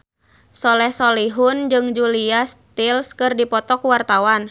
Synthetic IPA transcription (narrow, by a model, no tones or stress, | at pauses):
sɔlɛhsɔliɦund͡ʒɨŋd͡ʒuliast̪ilskɨrdipɔt̪ɔkuwart̪awan